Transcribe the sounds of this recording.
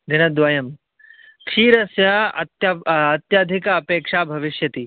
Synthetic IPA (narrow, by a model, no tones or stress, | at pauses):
d̪ʱinɐd̪ʋajɐm | kʂiːɾɐsjɐɐt̪ɐɐt̪jaːd̪ʱikɐːpeːkʂaːbʱɐʋiʃjɐt̪i